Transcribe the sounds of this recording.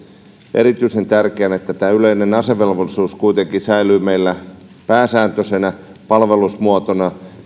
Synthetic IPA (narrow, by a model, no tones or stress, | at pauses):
ʔeɾit̪yisent̪ærkeænet̪ːæt̪æːyleinenɑseʋelʋolːˑisuːskuit̪eŋkisæilyːmeilːæpæːsæːnt̪øsenæ | pɑlʋe̞lusmuot̪onɑ